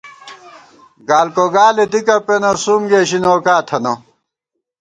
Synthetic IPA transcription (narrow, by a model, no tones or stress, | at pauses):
ɡaːlkoɡaːled̪ikɐpenɐsumɡeːɕinoːkaːt̪ʰɐnɐ